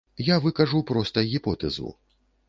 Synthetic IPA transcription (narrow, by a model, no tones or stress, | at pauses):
javɨkaʐupɾɔst̪ɐɣʲipɔt̪ɛ̰zṵ